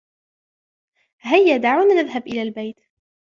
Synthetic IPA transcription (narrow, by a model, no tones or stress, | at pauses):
hajːad̪aʕwnanɪðɦabʔɪlaːlbajt̪